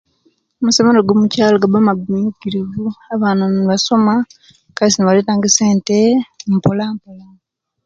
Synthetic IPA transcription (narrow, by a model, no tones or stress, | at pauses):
omusemeloɡwomucaːloɡabamaɡumiɲukiɾivuaβaːnaniβaso̞ma | kaisiniβaletaːŋɡeseːntempolampola